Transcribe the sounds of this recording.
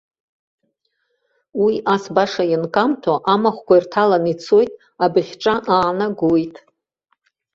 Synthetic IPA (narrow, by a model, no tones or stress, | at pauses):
wiʔasbaʂajɪnkʼamtʰaʔamaχʷkʷairtʰalanit͡sʰo̞jtʼ | abɨχʲʈ͡ʂʼaʔaːnaɡojtʼ